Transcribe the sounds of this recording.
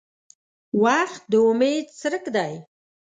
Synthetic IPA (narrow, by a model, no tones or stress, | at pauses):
waxt̪̚d̪əʊmed̪̚t͡səɾəkd̪aj